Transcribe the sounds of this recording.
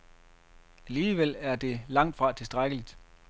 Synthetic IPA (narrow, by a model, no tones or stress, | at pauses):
æliːʋel̰æɐd̥e̝lɑ̈ŋ̰d̥fʁɑ̈t͡sʰe̝sd̥ʁaɡ̥əlid̥